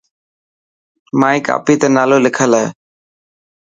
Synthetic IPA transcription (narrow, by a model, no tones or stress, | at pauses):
maːiːka̰ːpiːt̪əːnaːloːlɪkʰəlae